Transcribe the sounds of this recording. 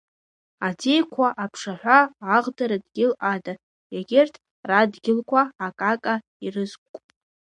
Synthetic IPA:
adejkʷʰaʔapʰʂaħʷaːʁdaɾadɡʲɪlada | jaɡʲɪrtʰ | radɡʲɪlkʷʰaːkʼakʼa | irɨzkʷʼkʷʼ

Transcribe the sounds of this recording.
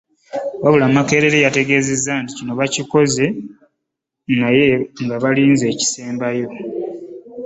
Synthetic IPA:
βaβulamake̞ɾe̞ɾejate̞ɡe̞ːze̞zːanticino̞βaciko̞ze̞ | naje̞ŋɡaβaliːnze̞ːci̥se̞ːmbajo̞

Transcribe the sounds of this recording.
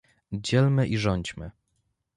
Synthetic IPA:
d͡ʑɛlmɘʔiʐɔɲd͡ʑmɘ

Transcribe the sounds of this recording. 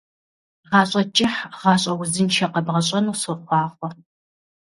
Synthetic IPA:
ʁɑːɕʼɐt͡ʃʼɪħʁɑːɕʼɐwzɨnʃʰɐqɐbʁɐɕʼɐnusɨχʷɑːχʷɔ

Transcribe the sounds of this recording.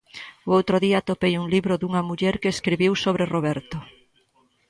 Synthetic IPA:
oowt̪ɾoðiat̪opejuŋliβɾoðuŋamuʎɛɾkeːskɾiβiwsoβ̞ɾeroβɛɾt̪o

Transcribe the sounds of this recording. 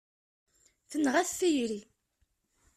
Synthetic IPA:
θənːʁæθθijɾi

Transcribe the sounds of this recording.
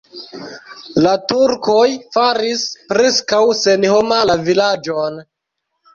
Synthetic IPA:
latuɾkojfaɾispɾe̞skawse̞nhomalavilad͡ʒon

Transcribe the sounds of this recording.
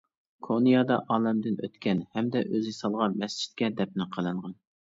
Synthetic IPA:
kʰonijɑd̪ɑʔɑːlɛmd̪ɪnʔøt̪kʲɛnhɛmd̪ɛʔøzɪsɑlˠʁɑmɛst͡ʃʰi̥t̪̚kʲɛd̪ɛp̚nɪqʰəlˠɨɴʁɑn

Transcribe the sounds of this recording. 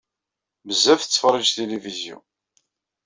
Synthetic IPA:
məzːæfθət͡sːfərˤːid͡ʒt̪elivizjṵ

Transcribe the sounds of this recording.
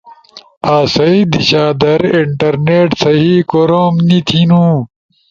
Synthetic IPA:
aːsɐid̪iɕaːd̪ɐɾiɳʈɐɾneːʈsɐɦiːkoɾoːmnit̪ʰinũː

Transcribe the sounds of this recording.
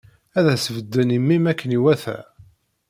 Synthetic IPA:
æðæsəvəd̪ːənimːimækːəniwæθæ̰

